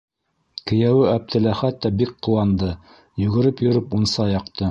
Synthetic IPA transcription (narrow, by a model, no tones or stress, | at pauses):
kɘ̆jæwɘæp̚t̪ɘ̆læχæt̪ːæbik̚qŭwɑnd̪ɤ | jɵ̆ɣɘ̆ɾɘpjɵ̆ɾɘpunsɑjɑqt̪ɤ